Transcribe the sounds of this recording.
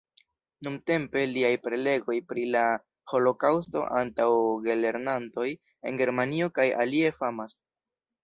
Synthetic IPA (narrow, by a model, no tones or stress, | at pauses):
numte̞mpe̞liajpɾe̞le̞ɡo̞jpɾila | ho̞lo̞kawsto̞̰ʔantawɡe̞le̞ɾnanto̞j | e̞̰nɡe̞ɾmanio̞kaja̰lie̞famas